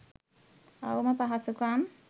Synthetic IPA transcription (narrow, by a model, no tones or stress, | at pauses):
a̰uməpaɦasukaːm